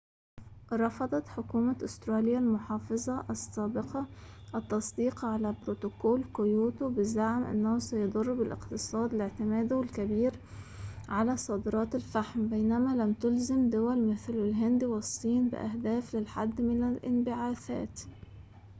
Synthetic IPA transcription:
ɾˤɑfɑd̪ˤɑt̪ħʊkuːmaʔʊst̪ɾˤɑːlɪjːalmʊħɑːfɨzˤɑʔɑsːaːbɪqɑʔɑt̪ːɑsˤd̪iːqʕalabɾot̪ʊkoːlkʊjuːt̪ubɪzaʕmʔɪ̰nːahʊsajʊd̪ˤʊrˤːbɪlʔɪ̰qt̪ɨsˤɑːd̪ɪlɪʕt̪ɪmæːd̪wɪlkabiːɾ | ʕalasˤɑːd̪ɾˤɑːt̪alfaħmbejnæmalamt̪ʊlzamd̪ʊwalmɪθlɪlɦɪnd̪iwɪsˤːiːnbɪ̰ʔa̰ɦd̪æːflɪlħa̰d̪ːmɪnalʔɪ̰nbɪʕaːθa̰ːt̪

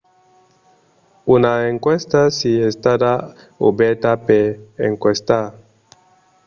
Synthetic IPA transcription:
unaeŋkwest̪asiest̪ada | obet̪apeeŋkwest̪a

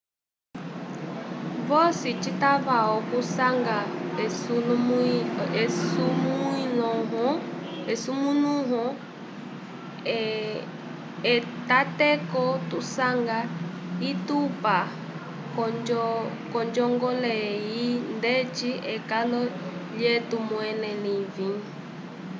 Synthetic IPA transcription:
βɔsit͡ʃit̪aβaɔkusaŋɡau | sumuinɔɦɔɛsumũnũɦɔ | ɛt̪at̪ɛkɔt̪usaŋɡa | it̪upa | kɔ | kɔnd͡ʒɔŋɡɔlɛind̪ɛt͡ʃiɛkanɔʎɛt̪umwɛnɛlivĩŋ

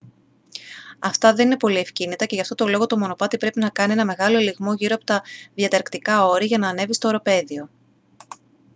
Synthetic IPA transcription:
ɐft̪ɐðe̞nine̞po̞lie̞fcinit̪ɐce̞ʝɐft̪o̞t̪olo̞ɣo̞t̪o̞mo̞no̞pɐt̪ipɾe̞pinɐkɐnie̞nɐme̞ɣɐlo̞eliɣmo̞ʝiɾoɐpo̞̥t̪ɐðjɐt̪ɐɾkt̪ikɐo̞ɾiʝɐnɐːne̞vist̪o̞ːɾo̞pe̞ðio̞

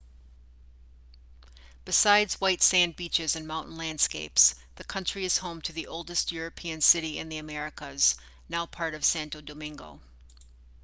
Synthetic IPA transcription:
b̥ɨsaɪdzwaɪtsæ̃nbit͡ʃɨzɨ̃nmãʊ̃nʔn̩læ̃nd̥skeɪps | ðɨkʰʌ̃nt͡ʃɹ̥iɨz̥hõʊ̃mtʰɨðiʔoʊlˠdɨst̚jʊɹɨpʰiɨ̃nsɪɾiɨ̰̃nðiɨmɛɹɨkəz̥ | naʊpʰɑɹɾʌv̥sæ̃ntoʊdomɪ̃ŋɡo̰ʊ

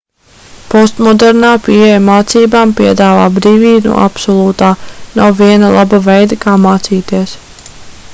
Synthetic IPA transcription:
pɔst̪mɔd̪ɛɾnaːpiɛjamaːt̪siːbaːmpiɛd̪aːva̰ːbɾiːvʲiːnṵɔa̰psɔlˠuːt̪aːnawviɛnɐlˠʔabavɛjd̪ɐkaːmaːt̪siːt̪iɛs

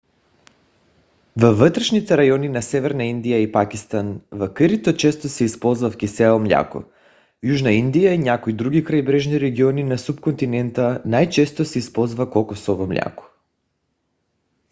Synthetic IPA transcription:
vəvət̪ɾɛʃnit̪ɛɾajɔninasɛvɛɾnaind̪ijaipakist̪anvakəɾit̪ot͡ʃɛst̪osɛispɔlˠzvafkʲisɛomlʲa̰ko̰ | juʒnaind̪ijainʲakoid̪ɾuɡikɾajbɾɛʒniɾɛɡiɔninasupkont̪inɛnt̪anajt͡ʃɛst̪osɛispɔlˠzvakolˠkosɔvomlʲa̰kɔ̥

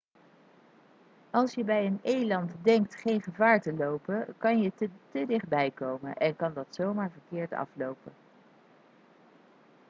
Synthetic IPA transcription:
ʔɑlˠsjəbɛjənejlɑntdɛŋk̚tχejnχəvaːɹtəlowpəkɑnjətədɪχd̚bɛjkowmə̰nʔɛnkɑndɑtsowmaːɹvəɹkɪːɹtɑ̰flowpən

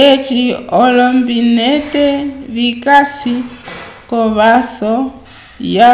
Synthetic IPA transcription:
ɛt͡ʃiɔlɔmbinɛtɛβikasikɔβasɔ | ja

